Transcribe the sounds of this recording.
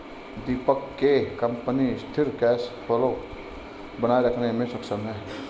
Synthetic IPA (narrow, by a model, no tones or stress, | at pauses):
d̪ipəkːekəmpənist̪ʰiɾkɛspʰolo | bənajɾəkʰnemesəksəme